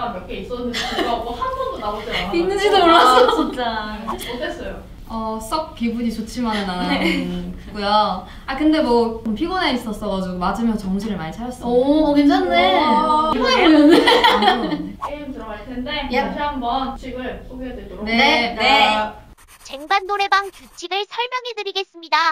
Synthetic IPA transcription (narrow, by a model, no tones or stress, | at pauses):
amjʌkʰeis͈ʌnːɯiɡaɡohanɡʌŋdonaosʰeainːɯnd͡ʑidooɭːas͈ʌt͡ɕint͡ɕ͈aotʰes͈ʌjo | ʌs͈ʌk̚k͈ibuɲit͡ɕot͡ɕʰimanːa | kɯk͈ujo | akɯnde̞mwʌompʰiɡoneis͈ʌs͈ʌɡad͡ʑiɡomad͡ʑɯmjʌnt͡ɕʌŋɕʰiɾɯɭmanit͡ɕʰaɾjʌs͈ʌkit͡ɕanːeiɡoneiʌne | keimtɯɾʌɡaɭkʰɯndet͡ɕʰɯɦambʌnt͡ɕiɡɯɭs͈ʰoɡiadweɡoɾoneee | t͡ɕe̞ŋbanːoɾe̞baŋt͡ɕut͡ɕʰiɡɯɭsʰʌɭmjʌŋedɯɾiɡe̞s͈ɯmɲida